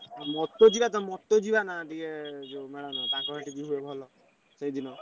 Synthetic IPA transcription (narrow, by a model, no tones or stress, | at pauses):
mɔt̪od͡ʒibat̪ɔmɔt̪ːod͡ʒibanaʈiked͡ʒemɛɽanat̪ãkɔɾɔʈikiɦuebʱɔlɔ | sejd̪inɔ